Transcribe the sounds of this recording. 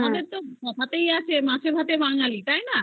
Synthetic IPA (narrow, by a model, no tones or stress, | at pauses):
mad̪eɾt̪okɔt̪ʰat̪ejat͡ʃʰemãsebʱat̪ebaŋalit̪ajna